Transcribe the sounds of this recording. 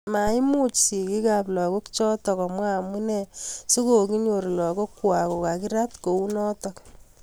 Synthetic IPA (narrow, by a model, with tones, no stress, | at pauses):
ma˨i˦mu˦t͡ʃsi˨ki˦ka˨plɔ˨ko˦kt͡ʃɔ˦tɔ˨ka˨mwa˦˨mu˦nɛ˦so˦ko˨ki˦ɲo˨ɾlɔ˨ko˦kːwa˨ko˨ka˨ki˦ɾa˦tko˨u˦nɔ˦tɔk